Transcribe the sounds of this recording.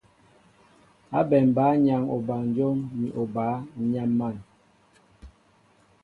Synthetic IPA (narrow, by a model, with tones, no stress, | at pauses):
a˦bɛ˨m˨baː˨˦ɲa˨ŋo˨ba˨n̩˨d͡ʒo˦ŋmi˨ʔo˨ba˨˦ɲa˦mːa˦˨n